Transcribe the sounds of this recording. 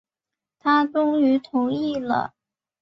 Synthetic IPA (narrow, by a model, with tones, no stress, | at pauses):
t̪ʰa˥ʈ͡ʂʊ˥ŋy˧˥t̪ʰʊ˧˥ʊi˥˩lə̰˩